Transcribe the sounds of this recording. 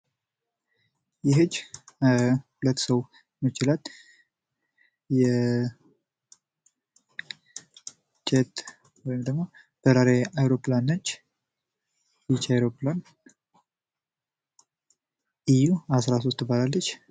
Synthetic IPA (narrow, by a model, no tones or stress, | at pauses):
jɪɦɨd͡ʒː | hulət̪ːsəw | mət͡ʃɪlal | jɛ | t͡ʃʰɛt̪ | wɔjɪmd̪əɡmo̞ | b̥əzaɾeajɾoplanːət͡ʃː | jit͡ʃajɾoplan | ijuasɾas̬ost̪ʰːəbalalːət͡ʃː